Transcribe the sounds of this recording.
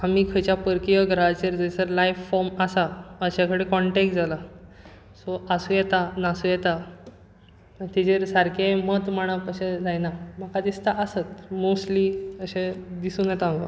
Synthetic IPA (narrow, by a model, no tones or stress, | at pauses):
amiːkʰəjt͡ɕjapəɾkijəɡʱɾaat͡ɕeɾd͡zəisəɾlajffːɔɾmasaəɕakəɽekɔɳʈek̚ʈd͡zala | sɔʔasũjɛt̪anasujɛt̪a | t̪id͡ʑeɾsaɾkẽmət̪m̤aɽ̃apəɕẽd͡zajnam̤əkad̪ist̪aʔəsət̪mosʈliəɕed̪isuːnjɛt̪aɡa̰